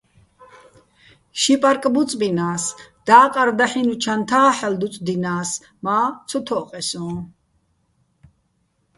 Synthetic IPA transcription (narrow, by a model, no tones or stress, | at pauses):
ʃipʼaɾkʼbut͡sʼbinaːsd̪aːqʼaɾd̪aħinut͡ʃʰant̪ʰaːħɛld̪ut͡sʼd̪inaːs | maːt̪t͡sʰɔt̪ʰɔqʼɛsɔ̃ː